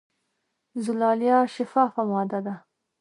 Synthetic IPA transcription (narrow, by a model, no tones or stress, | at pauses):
zʊlɑːljɑʃɪfɑːfamɑd̪ad̪a